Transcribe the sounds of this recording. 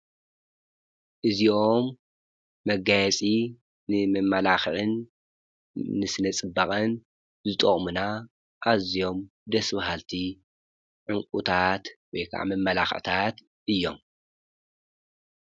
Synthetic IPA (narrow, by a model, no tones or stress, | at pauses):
ʔɨzio̞mː | ɐɡajɛt͡sʼi | nɨmɐmːɐlaxʕɨn | ɨsɨnɐt͡sʼɨbːaχʼɨn | zɨt̪ʼoχʼmuna | ʔazijo̞md̪ɐsbɦalt̪ʰi | ʕɨŋkʼṵt̪ʰat̪wɔjkʰa̰ʕa̰mɐmːɐlaxʕt̪ʰat̪ | ʔɨjːo̞̰m